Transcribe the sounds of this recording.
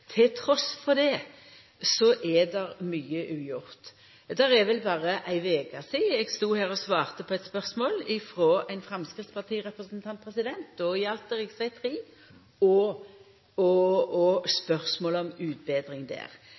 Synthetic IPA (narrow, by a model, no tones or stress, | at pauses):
t̪ʰɪlt̪ʰɾɔsfɔɾd̪ɛ | sɔʔɛd̪ɛʁmyːəʔʉːjʊʁt̪ | d̪æɾɛʋɛlbɑːʁəʔæɪʋeːɡɑsiːɛɡst̪uːhæːʁɔsʋɑːʁt̪əpʰɔɛt̪spœʁsmoːlɪfɾoːæɪnfɾɑmskʁɪt̪spɑt̪ʰiːʁɛpɾəsnt̪ʰɑnt̪̚pʰʁɛsɪd̪ɛnt̪̚ɔɪjɑlt̪ɛɾɛɪɡsæɪt̪ʰɾiː | ɔ | ɔɔspœʁsmoːləɔmʉːt̪̚beːd̪ɾɪŋd̪ɛ̰ːʁ